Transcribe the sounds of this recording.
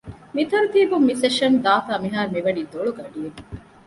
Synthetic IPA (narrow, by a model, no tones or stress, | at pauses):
mit̪ɐɾut̪iːbumːiseʃɐnd̪aːfaːmiɦaːɾumiʋɐniːd̪oɭuɡɐɖijeŋ